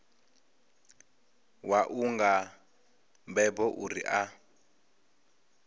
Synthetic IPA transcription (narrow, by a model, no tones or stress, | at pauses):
waʔuŋɡa | mbɛbɔʔuɾḭʔa